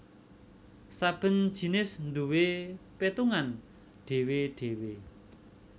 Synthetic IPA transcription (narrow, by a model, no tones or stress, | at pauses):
sab̥ə̤n̥ʒ̥i̤nɪsnd̪uwepet̪uŋan | ɖ̥e̤weɖ̥ewe